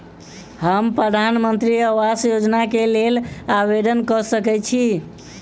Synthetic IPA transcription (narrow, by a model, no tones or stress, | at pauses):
həmpɾəd̪ʱanmənt̪ɾiəwasjod͡ʒnakelelaʋed̪ənkəsəkɛt͡ʃʰi